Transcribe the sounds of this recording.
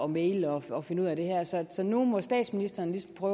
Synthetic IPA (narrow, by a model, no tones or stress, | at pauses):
ɒmeːɪləɒ̽ɒ̽fe̝nəuð̰ˠæɾ̥e̝hæɐ̰sɒ̽sɒ̽numɒ̽sd̥ɛ̰ːd̥sminisd̥ɐːnəlisɒm̩pʰʁœʊ